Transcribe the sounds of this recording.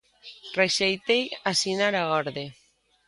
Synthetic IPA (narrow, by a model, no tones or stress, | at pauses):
reʃejt̪ejasinaɾaɣɔɾðe